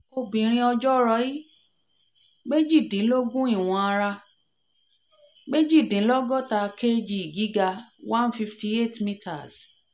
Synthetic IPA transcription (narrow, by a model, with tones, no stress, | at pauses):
o˧bĩ˨ɾ̃ĩ˧ɔ˧d͡ʒɔ˦ɾɔ˧˦ji˦ | ɡ͡be˦d͡ʒi˦˨dĩ˨˦lo˦ɡũ˦i˦˨w̃ɔ̃˧a˧ɾa˧ | ɡ͡be˦d͡ʒi˦˨dĩ˨˦lɔ˦ɡɔ˦˨ta˧ke˦d͡ʒi˦˨i˨ɡi˨˦ɡa˧wã˦n˦fi˧fti˧˦e˦˨tmĩ˦tʰa˨s